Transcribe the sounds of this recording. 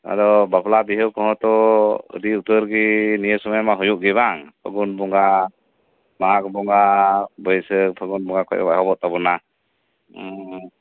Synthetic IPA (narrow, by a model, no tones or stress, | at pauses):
a̰d̪ɔbaplabiɦəwkɔɦɔ̃t̪ɔə̰diut̪əɾɡinijəsɔmajamaɦɔjuʔɡiβaŋpʰə̰ɡunbɔŋɡa | makbɔŋɡabəjsəpʰəɡunbɔŋakʰɔ̰jɔ̰bajɦɔbɔʔt̪ɔbɔna